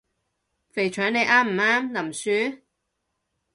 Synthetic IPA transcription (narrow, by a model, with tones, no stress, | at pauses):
fe˨˩jt͡ʃʰœː˨˥ŋne˨˧jʔaː˥m̩˨˩aː˥mnɐ˨˩msyː˨˧˥